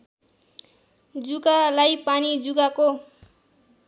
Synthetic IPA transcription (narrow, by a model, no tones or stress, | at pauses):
d͡zuɡalajpanid͡zuɡako